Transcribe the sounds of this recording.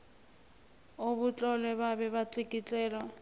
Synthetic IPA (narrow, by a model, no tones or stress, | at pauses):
oβut͡ɬʼɔlɛβaβɛβat͡sikʼit͡ɬʼɛːlɔ